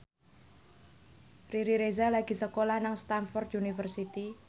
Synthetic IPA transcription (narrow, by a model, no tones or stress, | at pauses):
riɾiɾezalaɡ̥i̤səkolahnaŋst̪anfɔrt̪unifərsit̪i